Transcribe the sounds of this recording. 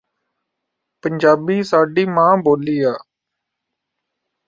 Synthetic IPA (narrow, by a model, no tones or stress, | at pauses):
pəɲd͡ʒaːbiːsaːɖiːmãːboːliːaː